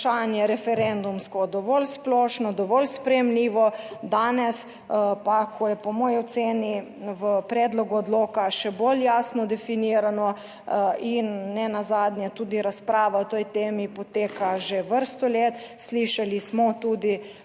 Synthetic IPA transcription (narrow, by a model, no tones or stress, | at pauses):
ʃanjɛɾɛfɛɾɛnd̪umskɔd̪ɔʋɔlsplɔːʃnɔd̪ɔʋɔlspɾɛjɛmliːʋɔd̪aːnɛs | pakʰɔjɛpɔmɔːjɔt̪seːni | ʋəpɾɛːd̪lɔɡuɔd̪loːkaʃɛboljaːsnɔd̪ɛfiniːɾanɔ | inːɛnazaːd̪nʲjɛt̪uːd̪iɾaspɾaːʋaɔt̪ɔjt̪eːmipɔt̪eːkaʒeʋəɾst̪ɔleːt̪sliʃalismɔt̪uːd̪i